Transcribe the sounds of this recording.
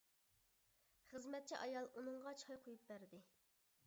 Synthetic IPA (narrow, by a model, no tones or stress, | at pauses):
χəzmɛt̪̚t͡ʃʰiʔɑjɑlˠunɨŋʁɑt͡ʃʰɑjqʰojup̚bæɾd̪ɪ